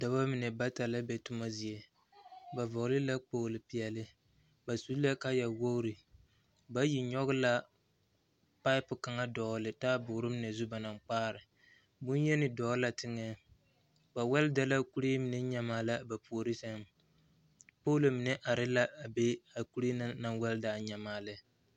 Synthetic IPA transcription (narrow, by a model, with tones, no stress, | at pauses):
da˨ba˦mɪ˨nɛ˨ba˦ta˨la˦bɛ˨tʊ˦ma˦zi˨ɛ˨ | ba˨vɔ˨ɣlɨ˦la˦k͡poː˦lɪ˨pi˨ɛ˨lɪ˦ | ba˨su˦la˦ka˦ja˨wo˦ʊ˦ɾɨ˨ | ba˦ji˨ɲɔ˦ɣʊ˦la˦ | pa˦ɪ˦pʊ˨ka˨ŋa˦dɔː˨˦lɨ˨taː˦bʊ˨˦ɾɨ˦mɪ˨nɛ˨zu˦ba˨na˨ŋk͡paː˦ɾɪ˨ | bʊ˦njɛ˦nɪ˨dɔː˨˦la˨tɪ˦ŋɛ˦ | ba˨wɛ˦lda˨la˦ku˦ɾe˦mɪ˨nɛ˦ɲa˨maː˦la˦ba˨pu˨o˨ɾi˦sa˦m | po˦lo˨mɪ˨nɛ˦ʔa˨ɾɪ˦la˦a˨be˦a˨ku˦ɾe˦na˦na˦nwɛ˦ldaː˨ɲa˨maː˦lɨ˦